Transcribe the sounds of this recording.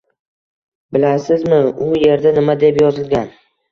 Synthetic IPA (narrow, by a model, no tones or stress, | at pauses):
bɪlasɪzmɪʊje̞ɾd̪anɪmad̪e̞pjɒzɪlɡʲan